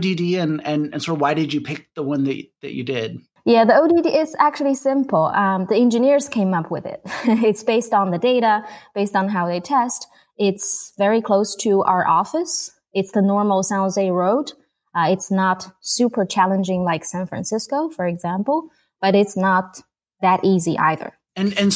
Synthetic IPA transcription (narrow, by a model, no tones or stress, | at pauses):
didiɨ̃nɨ̃nɨ̰̃nsowaɪɾɨd͡ʒɨpʰɪk̚ðəwʌ̃nðɨt͡ʃðɨ̰t͡ʃɨ̰dɪd̥̚ | jæðioʊdidiʔɪzæk̚t͡ʃʉl̩ˠisɪ̃mpl̩ˠʌ̃mðiɛ̃nd͡ʒɨnɪɹz̥kʰẽɪ̃mʌpʰwɨðɪ̰t̚ɪtsb̥eɪstn̩ðɨdeɪɾəb̥eɪstn̩ɦaʊðeɪtʰɛst | ɪtsvɛɹikʰl̥oʊstʰɨʔa̰ʊə˞ʔɔfɨs | ɨtsðɨnɔɹml̩ˠsãʊ̃zeɪɹoʊd | ɪtsnətsʉpʰə˞t͡ʃʰælˠə̃nd͡ʒɪ̃ŋlaɪksæ̃nfɹæ̰̃nsɪskoʊfə˞ɨɡzæ̃mpl̩ˠ | b̥ʌɾɨtsnət̪̚ | ðɨɾʔiziʔa̰ɪðə̰˞ | ɨ̃nɨ̃n